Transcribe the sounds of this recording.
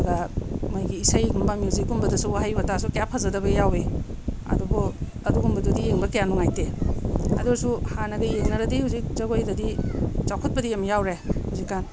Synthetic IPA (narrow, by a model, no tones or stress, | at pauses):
ɡamajɡiːsajiɡumbamilziɡumbɐdɐsuwaɦajbatasukejapʰazɐdɐbɐjawe | ɐ̰dubɔ | ɐduɡumbɐdudijeŋbɐkejanuŋajteɐ̰duɾsuhanɐɡɐjeŋnɐɾɐdihawzik̚zɐɡojdɐdit͡ʃawkʰɔt̚pɐdijamjawɾehuzikːan